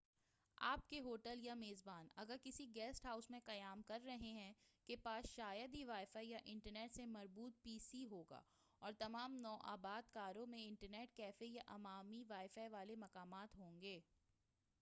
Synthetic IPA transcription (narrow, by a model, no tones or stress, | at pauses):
aːp̚keɦoːʈəljameːzbaːnɐ̰ɡəɾkɪsiɡɛːsʈɦaːʊsmẽqɐjaːmkɐɾːɐɦeɦɛ̃kepaːsʃaːjəd̪iʋaːɪfaijaʔɪ̃ɳʈəɾneːʈsemɐɾbuːt̪̚piːsiɦoːɡa̰ː | ɔːɾt̪ɐmaːmnɔːʔa̰ːbaːd̪kaːɾõmẽɪ̃ɳʈəɾneːʈkɛːfejaʔɐmaːmiʋaːɪfaːiʋaːlemɐqaːmaːt̪ɦõːŋɡeː